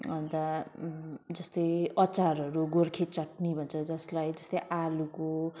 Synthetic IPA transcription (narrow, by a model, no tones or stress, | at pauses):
ʌnt̪ʌ | d͡zʌst̪ʌjʌt͡saɾʌɾuɡorkʰet͡sʌʈnibʱʌnt͡sʰʌd͡zʌslajd͡zʌst̪ʌjʔaluko